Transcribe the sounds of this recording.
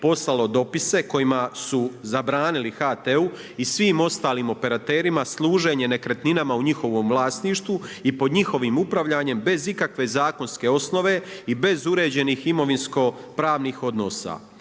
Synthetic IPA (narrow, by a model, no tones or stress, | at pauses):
po̞slalo̞d̪o̞pise̞ko̞jimasuzabɾaːnilixat̪eu | isʋiːmo̞st̪aːliːmo̞pe̞ɾat̪eːɾimaslˠuːʒe̞ːɲe̞ne̞kɾe̞t̪ninamauɲixo̞ʋo̞ːmʋlˠaːst̪niːʃt̪ʋuipo̞d̪ɲixo̞ʋiːmupɾaʋʎaːɲe̞mbe̞zikakʋe̞zaːko̞nske̞o̞sno̞ʋe̞ibe̞zuɾe̞ːd͡ʑe̞niːximo̞ʋinsko̞pɾaːʋniːxo̞d̪no̞ːsa̰ː